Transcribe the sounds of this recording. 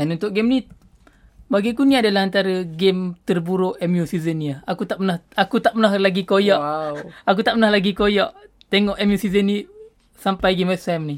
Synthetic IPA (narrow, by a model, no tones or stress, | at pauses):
danunt̪ʊʔɡemni | baɡikuniadalahant̪aɾəɡemt̪ərbuɾʊʔɛmjusizəniaakut̪aʔpənahakut̪aʔpənahlaɡikojaʔak̬ut̪aʔpənahlaɡikojɔʔ | t̪eŋɔʔɛmjusizənːi | sampajɡemɛsɛmni